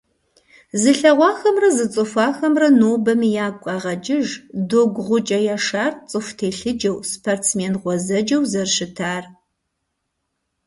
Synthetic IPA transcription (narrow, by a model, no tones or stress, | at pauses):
zɨɬɐʁʷɑːxɐmrɐzɨt͡sʼɨfʷɑːxɐmrɐnoːbɐmjaːkʷʼɑːʁɐd͡ʒʼɪʒdoːɡʷʁʷʊt͡ʃʼɐjaːʂaːrt͡sʼɨftʰeːɬɨd͡ʒɐwspʰortsmeːnʁʷɔzɐd͡ʒɐwzɐrʃɪtʰaːr